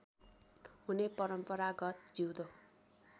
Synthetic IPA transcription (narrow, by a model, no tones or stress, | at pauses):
ɦunepʌɾʌmpʌɾaɡʌt̪̚d͡ziwd̪o